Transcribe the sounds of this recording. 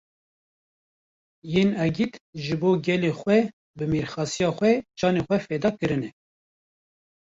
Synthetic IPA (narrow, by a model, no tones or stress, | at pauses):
jeːnɛɡit̪ʒɨboːɡɛlexʷwɛ | bɨmeɾxɑːsijɑːxʷɛt͡ʃʰɑːnexʷɛfɛd̪ɑːkɨɾɨnɛ